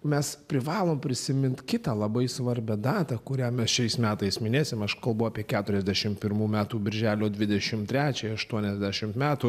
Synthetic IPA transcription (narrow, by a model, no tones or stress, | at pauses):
mʲɛspʲɾʲɪʋɑːlˠoːmpʲɾʲɪsʲɪmʲɪnt̪ʲkʲɪt̪ɑːlˠɐbɐɪsʋɐɾʲbʲɛd̪ɑːt̪ɐkʊɾʲæːmʲɛsʃʲɛɪsmʲæːt̪ɐɪsmʲɪnʲeːsʲɪmɐʃkɐlˠbɐʊɑːpʲiɛkʲæːt̪ʊɾʲɛzʲd̪ʲæːʃʲɪmpʲɪɾmuːmʲæːt̪uːbʲɪɾʲʒʲæːlʲoːd̪ʲʋʲɪd̪ʲɛʃʲɪmt̪ʲɾʲæːt͡ʃʲɛɐʃt̪uɔnʲɛzʲd̪ʲæʃʲɪmmʲæːt̪uː